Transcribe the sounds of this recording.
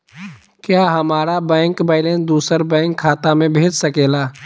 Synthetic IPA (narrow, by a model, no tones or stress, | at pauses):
kjaːɦɐmaːɾabɛ̃ːŋkbaɪlend̪uːsəɾbɛ̃ːŋkʰːaːt̪amẽbʱeːd͡ʒsəkeːlaː